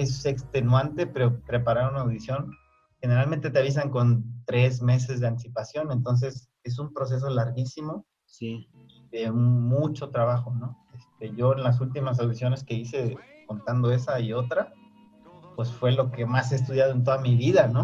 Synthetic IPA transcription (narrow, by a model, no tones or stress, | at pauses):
esekst̪e̞nwant̪e̞peɾopɾe̞paɾaɾunaːwðisjo̞n | xe̞ne̞ɾalment̪e̞t̪eaβ̞is̬aŋko̞nt̪ɾe̞zme̞s̬e̞zðeant̪isipasjo̞nent̪o̞ns̬e̞s | e̞s̬umpɾo̞s̬e̞s̬o̞laɾɣisimo̞ | iðe̞mut͡ʃo̞t̪ɾaβaxo̞no̞est̪e̞ʝo̞enlas̬ult̪̬imas̬awðisjo̞ne̞ske̞ise̞ | ko̞nt̪and̪o̞e̞saio̞t̪ɾa | pwe̞sfwe̞lo̞ke̞maseːs̬t̪uðjað̞oe̞nt̪oðamiβiðano̞